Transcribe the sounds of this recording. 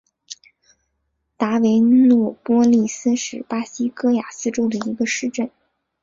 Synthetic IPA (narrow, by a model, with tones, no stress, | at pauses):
t̪a˧˥we˧˥ɪnwɔ˥˩pwɔ˥li˥˩sɹ̩˥ʂɻ̩˨˩pa˥ɕi˥kɤ˥ja˨˩sɹ̩˥ʈ͡ʂo˥ʊd̪ə˨i˧˥ɡə˧ʂɻ̩˥˧ʈ͡ʂə˥˩n